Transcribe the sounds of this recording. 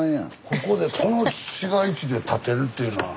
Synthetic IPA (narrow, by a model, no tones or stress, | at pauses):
ã̰kʰo̞ko̞d̪e̞kʰo̞noɕiɡait͡ɕid̪e̞t̪ʰat̪e̞ɾɯ̟t̪ːejɯ̟noβa̰